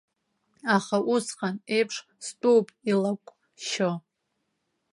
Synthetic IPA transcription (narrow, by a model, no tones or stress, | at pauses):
aχaʔusqʼanejpʰʂ | stʼowpʼilakʷʼ | ʃo